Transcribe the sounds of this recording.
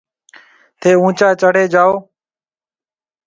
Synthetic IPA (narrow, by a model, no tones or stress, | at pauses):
t̪ʰeːũːt͡ʃaːt͡ʃəɽeːd͡ʒaːoː